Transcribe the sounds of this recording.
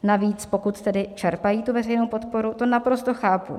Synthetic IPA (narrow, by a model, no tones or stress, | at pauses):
naviːt͡spo̞kut̪t̪ɛdɪt͡ʃɛɾpajiːt̪uvɛrɛjnowpo̞t̪po̞ɾut̪o̞napɾo̞st̪oxaːpṵ